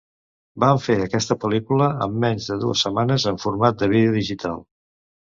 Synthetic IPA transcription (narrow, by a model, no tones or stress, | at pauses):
baɱfeəkɛst̪əpəlikuləə̰mːɛɲzðəðuəsːəmanəzəɱfuɾmat̪̚d̪əβiðeəðiʒit̪ʰa̰lˠ